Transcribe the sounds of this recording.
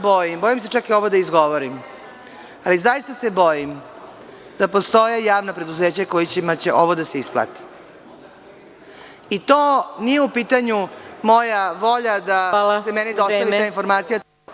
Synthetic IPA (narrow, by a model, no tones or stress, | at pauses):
bojimbo̞jims̬e̞t͡ʂakio̞ʋod̪aizɡo̞ʋoɾim | alizajist̪ase̞bo̞jim | d̪̥apo̞st̪o̞jejaːʋnapɾe̞d̪uzeːt͡ɕako̞jit͡ɕimat͡ɕeʔo̞ʋod̪ase̞isplˠa̰t̪i̥ | it̪oːnijeupiːt̪aɲumo̞jaʋo̞ʎad̪asemenid̪ostt̪aʋiaːinfo̞ɾmaːt̪sija